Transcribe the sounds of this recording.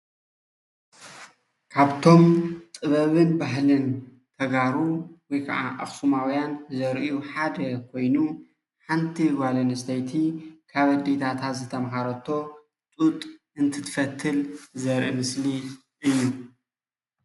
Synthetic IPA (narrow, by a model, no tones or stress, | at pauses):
kʰaβt̪ʰo̞mt̪ʼɨβɐβɨnbaɦlɨn | t̪ʰɐɡaɾuwɔjkʰɐ̰ʔa̰ʔa̰xsumawjanzɐɾʔiuħad̪ɐkʰo̞jnu | ħant̪ʰiwalɐnɨst̪ʰɐjt̪ʰikʰaβɐd̪et̪ʰat̪ʰat̪zɨt̪ʰɐmxaɾɐt̪ʰo̞ | t͡sʼut̪ʼ | ɨnt̪ʰɨt̪ʰɨfɐt̪ʰːɨlzɐɾʔimɨsli | ʔɨjːu